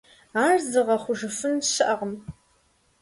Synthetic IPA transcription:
aːrzɨʁɐχʷʊʒɨfɨnʃɨʔɐʁəm

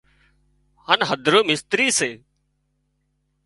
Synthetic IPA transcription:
hanɦəd̪ʱɾoːmɪst̪ɾiːseː

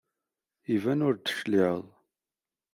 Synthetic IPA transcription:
ivænʊɾd̪ə̥ʃliðˤ

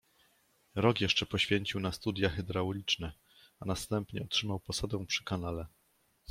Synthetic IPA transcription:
ɾɔkjɛʂt͡ʂɛpɔɕfʲjɛɲt͡ɕiwnast̪ud̪ʲjaxɛd̪ɾawlʲit͡ʂnɛ | anast̪ɛmpɲɛɔtʂɘmawpɔsad̪ɛ̃w̃pʂɘ̥kanalɛ

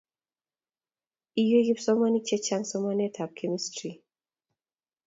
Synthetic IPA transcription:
ijojipsɔmanit͡ʃɛt͡ʃaŋsɔmanɛtʰap̚kʰemistɹi

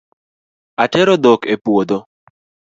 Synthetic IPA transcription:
atɛɾod̪okepwod̪o

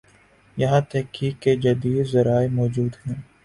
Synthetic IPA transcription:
jɐɦãt̪ɛɦkiːkːed͡ʒɐd̪iːd̪zɐɾaːemɔːd͡ʒuːd̪ɦɛ̃ː

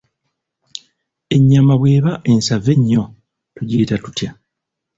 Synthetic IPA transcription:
e̞ɲːamaβwe̞ːβaʔe̞nsave̞ɲːo̞ | tuɟeːtatu̥tja

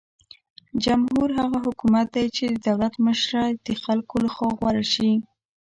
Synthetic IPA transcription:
d͡ʒamɦuɾɦaɣaɦʊkumat̪̚d̪ajt͡ʃed̪əd̪awlat̪məʃɾad̪̥əxalkolaxwɑɣwaɾaʃi

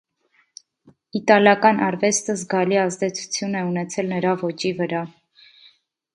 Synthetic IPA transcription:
it̪ɑljɑkɑnʔɑɾvɛst̪əzɡɑliɑzd̪ɛt͡sʰu̥t͡sʰjunɛunɛt͡sʰɛlnəɾɑvɔt͡ʃivəɾɑ

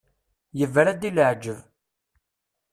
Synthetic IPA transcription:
jəvːæɾæd̪iləʕd͡ʒəv

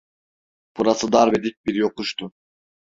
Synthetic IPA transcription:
pʰuɾɑsɯd̪ɑɾbed̪it̚biɾioquʃt̪u

